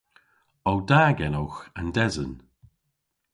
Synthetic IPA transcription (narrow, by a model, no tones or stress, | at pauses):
ɔwdaːɡɛnoxandɛzən